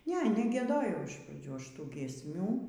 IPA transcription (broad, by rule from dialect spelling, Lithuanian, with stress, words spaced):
ˈnʲɛ nʲɛɡʲiɛˈdoːjɛʊ ɪʃ prɐˈd͡ʒʲuː ˈɐʃ ˈtuː ɡʲiɛsʲˈmʲuː